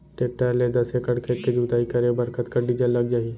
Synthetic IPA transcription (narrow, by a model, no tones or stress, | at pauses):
ʈeːp̚ʈəɾled̪ɐsekəɽkʰeːt̪ked͡ʒuːt̪aːikɐɾebɐɾkət̪kɐɖid͡ʒəlːɐɡ̚d͡ʒaːi